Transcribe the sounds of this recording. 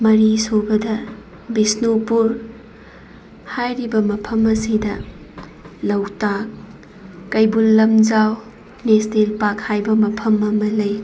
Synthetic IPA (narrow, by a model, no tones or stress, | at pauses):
mɐɾisobɐdɐ | bisnopuɾ | hajɾibɐmɐpʰɐmɐsidɐ | lɐwtakː | ɐjbulːɐmd͡ʒaw | nestelpakhajbɐmɐpʰɐmɐmɐlɐj